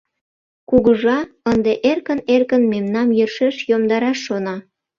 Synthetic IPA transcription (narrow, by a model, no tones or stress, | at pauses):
kuɣəʒɑənd̪eʔerkənerkənmemnɑmjørʃeʃjomd̪ɑɾɑʃːonɑ